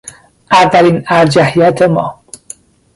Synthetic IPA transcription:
ʔævːæliːnæɾd͡ʒæhijæt̪ʰemɒ̰ː

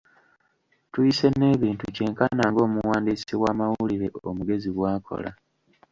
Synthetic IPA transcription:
tujise̞nːe̞ːβiːntuce̞ːŋkanaːŋɡo̞ːmuwaːndiːsiβwaːmawuliɾe̞ʔomuɡe̞ziβwaːkʰo̰la̰

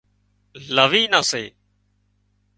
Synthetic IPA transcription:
ləʋiːnaːsḛː

